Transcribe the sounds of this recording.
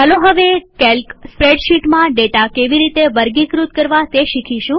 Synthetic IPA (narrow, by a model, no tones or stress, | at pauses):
ɦəloɦəʋekelkspɾeɖʃiʈmãɖeʈakeʋiɾit̪eʋəɾɡikɾut̪̚kəɾʋat̪eʃikʰiʃũ